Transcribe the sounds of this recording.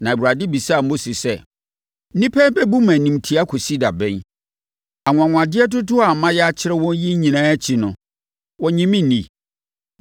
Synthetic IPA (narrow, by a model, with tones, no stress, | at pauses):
nã˨bu˨ɾa˨dɪ˦bi˨saː˦˨mo˦si˨sɛ˦ | nĩ˦pʰɛ˦bɛ˦bu˦mã˨nĩ˨m˨tʰi˨a˦kʰo˨si˦da˨bɛ̃˦n | a˨ŋʷ˨ã˨ŋ̃ʷ˨a˨dɪ˦ɛ˦t̬ʊ˦tʊ˦a˨mã˦jɛ˦a˦t͡ɕʰɪ˦ɾɛ˦wɔ̃˦n˦ji˦ɲĩ˨nãː˦t͡ɕʰɪ˨nʊ̰̃˨ | wɔ˨ɲĩ˦mĩ˦˨nĩ˨